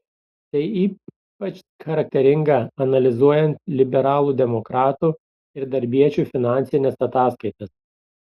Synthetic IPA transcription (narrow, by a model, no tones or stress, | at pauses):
t̪ɐɪiː | pɐt͡ʃ | xɐɾɐk̚t̪ʲɛɾʲɪŋɡɐɐnɐlʲɪzuɔjɛnt̪lʲɪbʲɛɾɑːlˠuːd̪ʲɛmɔkɾɑːt̪uː | ɪɾd̪ɐɾʲbʲiɛt͡ʃʲuːfʲɪnɑˑnʲsʲɪnʲɛsɐt̪ɑːskɐɪt̪ɐs